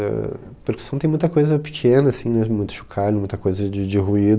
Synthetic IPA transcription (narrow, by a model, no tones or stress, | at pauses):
ɛ̰ | peɾku̥sɐ̃w̃t̪ẽj̃mũj̃t̪ɐkojzɐpi̥kʰẽnɐːsĩnɛmũj̃t̪ʊ̥ʃu̥kʰalmũj̃t̪ɐkojzɐd͡ʒɪd͡ʒɪɦuid̪